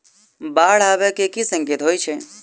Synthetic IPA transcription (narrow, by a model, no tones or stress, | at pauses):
baːɽ̤aːʋɛkekisə̃ŋkɪt̪ɦoːjt͡ʃʰe